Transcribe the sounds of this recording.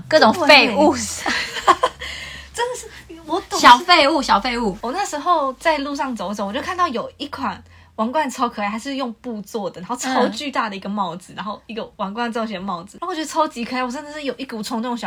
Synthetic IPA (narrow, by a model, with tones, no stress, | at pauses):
kɤ˥˧˩ʈ͡ʂʊ˨˩ŋfe˥˧ɪu˥˧ | ʈ͡ʂə˥˧d̪ə˨˩ʂ̩˥˩wɔ˨˦t̪ɕjɑ˨ʊfe˥˧ɪu˥˧˩ɕjɑ˨˩ʊfe˥˧ɪu˥˩wɔ˨˩na˥˩ʂɻ̩˧˥xo˥˧ʊt͡sa˥˧ɪlu˥˧ʂ̬ɑ˥˩ŋt͡so˨˦ʊt͡so˧˦ŋwjkʰa˥˧nt̪ɑ˥˩jo˨˩ʊi˥˩kʰwa˨˩n | wɑ˧˥ŋkwa˥˧nt͡sʰɑ˥ʊkʰa˥˩xa˧˥ɪʂɻ̩˥˧jʊ˥˧ŋpu˥˧t͡swɔ˥˩d̪ə˩a˧˦xo˥˧ʊt͡sʰo˥˧˥ʊt͡ɕy˥˧t̪a˥˩d̪ə˩i˧˥ɡə˨mɑ˥˩ʊd͡zɹ̩˨˩ɻa˧˥nxo˥˧ʊi˧˥ɡə˨wa˧˥ŋkwa˥˧nt͡sɑ˥˧ʊɕɥɛ˧ə˧mɑ˥˩ʊd͡zɹ̩˨˩˥ɥɛ˥˧t͡sʰo˥ʊt͡ɕi˧˥kʰɤ˨˩˥wɔ˨˩ʈ͡ʂə˥nd̪ə˨˩ʂɻ̩˥˩jo˨ʊi˥ku˨˩ʈ͡ʂʰʊ˧˥ŋnə˥˧˩ʈ͡ʂʊ˨˧ŋɕjɑ˨